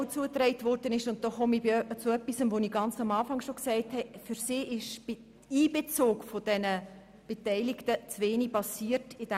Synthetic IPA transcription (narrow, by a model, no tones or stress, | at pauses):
t͡suət̪rɛɪtvɔrd̥ənɪʃʊnt̚d̥ɔːχɔmibt͡sʊœpːisəmʋoniɡɑnt͡sɑmɑːfɑŋʃoksɛɪthɛfyɾsiːʔɪʃ | iːb̥et͡soːkfod̥ɛnə | b̥etɛɪliktət͡sveːnipɑsiːərtɪd̥